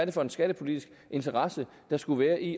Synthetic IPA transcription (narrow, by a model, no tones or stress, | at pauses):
æɐdeəfɒ̽e̝nsɡ̥æɾ̥əpʰo̝lid̥isɡ̥ | ʔe̝nt͡sʰɐʁɑ̈sə | d̥ɑ̈sɡ̥uʋæːɐʔi